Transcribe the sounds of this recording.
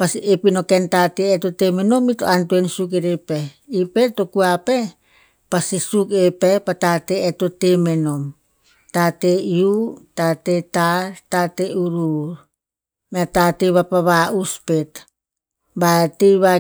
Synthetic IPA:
pasiepino̞kentateeto̞temeno̞mito̞̰antuensuk̬eɾepe | ipeto̞kuape̞ | pasisukepepatateeto̞teme̞no̞m | tateiutatetaɾtateuɾuɾ | meatateβapaβaʔuspe̞t | batejβa

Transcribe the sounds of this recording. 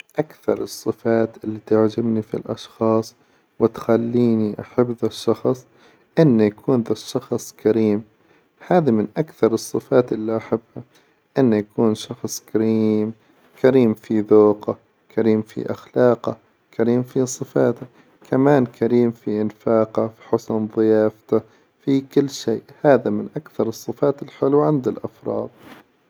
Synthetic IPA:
ʔakθɑ̰ɾˤɨsˤːɨfaːt̪ʔɪlːit̪ʊʕd͡ʒɪbnifḭlʔɑ̰ʃxɑːsˤ | wɪt̪xalːiːniʔaħabːðaʃːɑxsˤ | ʔɪnːajakʰuːnðaʃːɑxsˤkʰaɾiːm | haːðamɪnʔakθɑɾˤɨsˤːɨfaːt̪ʔɪlːiʔaħabːha | ʔɪnːajakuːnʃɑxsˤkaɾiːm | kʰaɾiːmfiðoːqa | kʰaɾiːmfḭʔa̰xlaːqa̰ | kaɾiːmfisˤɨfaːt̪a | kʰamaːnkʰaɾiːmfiʔɪnfaːqafiħʊsnðˤɨjaːft̪a | fikɪlːʃeːʔhaːðamɪnʔakθɑɾˤɨsˤːɨfaːt̪ɪlħɪlːwʕɪnd̪alʔafɾˤɑ̰ːd̪̥̚ˤ

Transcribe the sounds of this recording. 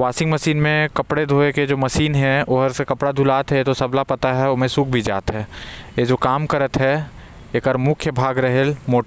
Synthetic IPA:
ʋaːsɪ̃ŋɡmɐsiːnmẽkɐpɽed̪ʱoːeked͡ʒoːmɐsiːnɦɛ̃oːɦəɾsekɐpɽad̪ʱulaːt̪ɦɛt̪osɐblapɐt̪aɦɛoːmẽsuːk̚ʰbʱid͡ʒa̰ːt̪ɦɛːed͡ʒoːkaːmkɐɾət̪ɦɛ | eːkəɾmʊkʰjəbʱaːɡɾɐɦelmoːʈ

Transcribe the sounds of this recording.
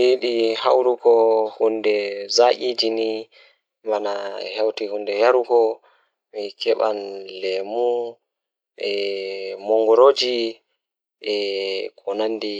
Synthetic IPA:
iɗihawɾukɔhundɛzaʔid͡ʒini | manahawtihundɛjaɾukɔ | mikʰɛɓa̰nlɛmu | ʔɛmɔŋɡɔɾod͡ʒi | ʔɛkʰɔnandi

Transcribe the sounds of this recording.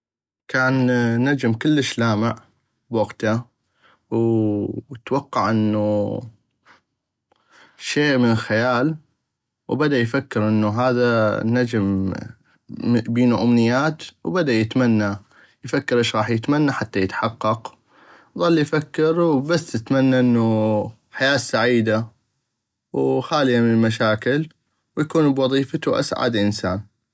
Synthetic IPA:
kaːnːad͡ʒmkɪlːəʃlaːmɪʕ | bwɑɡt̪a | w | t̪wɑqːɑʕʔɪnːu | ʃeːʔmənxajaːl | wbad̪ajfakːɪɾʔɪnːuɦaːðanad͡ʒm | biːnuʔʊmnɪjːaːt̪wbad̪ajɪt̪manːa | jfakːɪɾʔɪːʃɣɑːħjɪt̪manːaħat̪ːajɪt̪ħɑqːɑq | ðˤɑlːijfakːɪɾwbasːt̪ɪt̪manːaʔɪnːu | ħajaːsaʕiːd̪a | wxaːljamɪnɪlmaʃaːkɪl | wjakuːnbwɑðˤiːfat̪uʔa̰sʕa̰d̪ʔɪnsa̰ːn

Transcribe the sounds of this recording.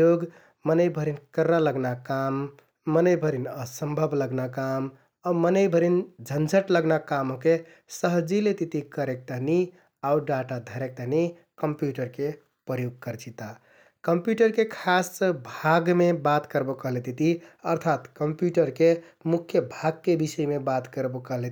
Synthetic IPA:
joɡ | mənəjbʱəɾinkəɾːaləɡnakamː | ənəɪbʱəɾinəsəmbʱəbʱləɡnakam | aumənəjbʱəɾind͡ʒʱənd͡ʒʱəʈləɡnakamoke | səɦd͡ʒilet̪it̪ikəɾek̚t̪əɦni | auɖaʈad̪ʱəɾek̚t̪əɦni | kəmpjuʈəɾke | pɾəɾjuɡ̚kəɾt͡ʃit̪a | kəmpjuʈəɾkekʰasbʱaɡmebat̪kəɾbokəɦlet̪it̪iəɾt̪ʰat̪kəmpjuʈəɾke | mukʰjəbʱaɡkebisəjmebat̪kəɾbokəɦlet̪

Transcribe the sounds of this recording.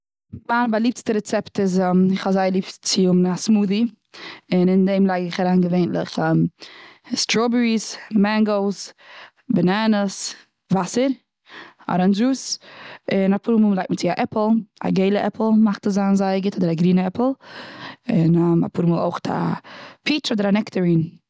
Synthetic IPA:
manbalˠiːp̚tstəɾɛt͡sɛptɪzɛmɪχɔzaɪəlˠiːpt͡sɪʊmasmuːði | ɪnɪndeɪmlˠaɪɡɪχaɾaːnɡəveɪntlɪ̰χɛːm | stɾɔbəɹismɛŋɡolˠs | bɛnanəs | vasəɾ | ɔ̰ɾanzuːs | ɪnapuɾuməlˠaɪt̚mət͡sɪaʔɛpl̩ˠa̰ɡeɪlˠəʔɛpl̩ˠmaχtəzaːnzaɪəɡɪtʰɔdəɾaɡɾiːnəɛpl̩ˠ | ɪnɛma̰puːɾuməlˠo̰ʊχtʰa̰pʰit͡ʃɔdəɾanɛktəɹiːn

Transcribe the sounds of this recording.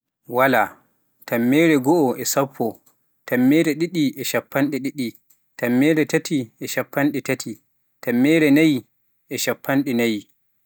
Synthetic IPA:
wala | tamːɛːɾɛɡɔʔɔʔɛsapʰːɔ | tʰamːɛːɾɛɗiɗiʔɛʃapʰːanɗɛɗiɗi | tamːɛːɾɛtatʰiʔɛʃapːanɗɛtatʰi | tamːɛːɾɛnaj | ʔɛʃapːanɗɛnaj

